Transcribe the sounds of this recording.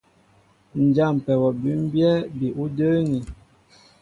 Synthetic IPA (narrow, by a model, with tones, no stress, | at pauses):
n̩˨d͡ʒa˦˨m˨pɛ˨wɔ˨bi˨˦m˦bjɛ˦bi˨ʔu˦də˦ŋi˨